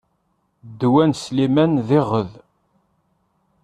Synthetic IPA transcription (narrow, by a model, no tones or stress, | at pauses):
d̪ːwænslimænðɪʁəð